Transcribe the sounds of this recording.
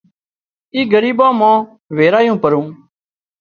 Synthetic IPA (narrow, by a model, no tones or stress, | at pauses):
iːɡəɾiːbãːmãː | ʋeːɾaːjõːpəɾũː